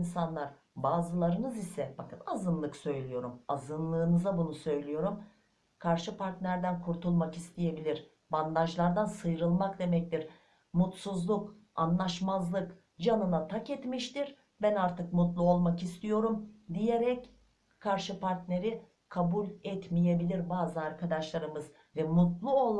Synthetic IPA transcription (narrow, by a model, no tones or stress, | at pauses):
insanlˠaɾ | baːzɯlˠaɾɯnɯzisɛfakʰat̪azɯnlˠɯksø̞jlʲijo̞ɾumazɯnlˠɯːnɯzabunusø̞jlʲijo̞ɾum | kʰaɾʃɯpaɾt̪nʲæɾd̪ænkʰuɾt̪ʰulˠmakist̪ʰije̞bilʲiɾ | band̪aʒlˠaɾd̪ansɯjɾɯlˠmakd̪e̞mɛc̚t̪iɾ | mut̪suzlˠuk | anlˠaʃmazlˠɯk | d͡ʒanɯnat̪ʰakɛt̪miʃt̪iɾ | bænaɾt̪ʰɯkmut̪lˠuo̞lˠmakist̪ʰijo̞ɾumd̪ije̞ɾɛc | kʰaɾʃɯpʰaɾt̪ne̞ɾi | kʰabulʲɛt̪mije̞bilʲiɾbaːzanaɾkʰad̪aʃlˠaɾɯmɯz | vɛmut̪lˠuol